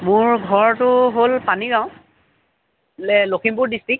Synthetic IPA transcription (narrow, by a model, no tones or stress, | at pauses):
mʊɹɡʱɔɹtʊɦolpaniɡaʊ̃ | lɛlokʰimpʊɹdistɹik̚